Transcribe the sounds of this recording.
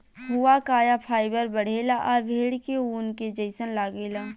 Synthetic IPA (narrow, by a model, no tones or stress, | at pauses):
ɦʊakaːjapʰaːɪbəɾbəɽ̤eːlaʔaʋʱeːɽkeuːnked͡ʒəɪsənlaːɡeːlaː